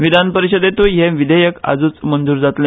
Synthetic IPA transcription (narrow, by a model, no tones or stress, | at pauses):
ʋid̪ʱanpəɾiɕəd̪et̪uɦeʋid̪ʱəjəka̰d͡zuːt͡smənd͡zuːɾd͡zat̪le